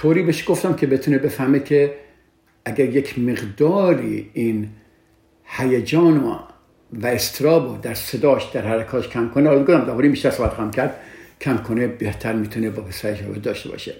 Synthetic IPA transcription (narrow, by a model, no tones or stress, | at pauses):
t̪ʰoːɾiːbeʃɡ̥oft̪æmkʲʰebet̪ʰuːnebe̞fæhmekʲʰe | æɡæɾjekʰmeɡd̪ɒːɾḭːiːn | hæjed͡ʒɒːno̰ | væest̪ʰɾɒːbod̪æɾsed̪ɒːʃd̪æɾhæɾekʰɒːkʰæmkʰonelɡod̪æmd̪ɒːbɔːɾiːmbiːʃt̪æɾsoːbæt̪xːæmkʲʰæɾd̪̥kʰæmkʰonebeht̪ʰæɾmiːt̪ʰunebɒːpesæeʃɾɒ̰ːbed̪ɒːʃte̞bɒ̰ʃe